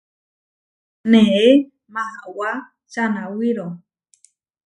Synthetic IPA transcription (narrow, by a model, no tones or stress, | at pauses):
nee | maawa | t͡ʃanawiɾo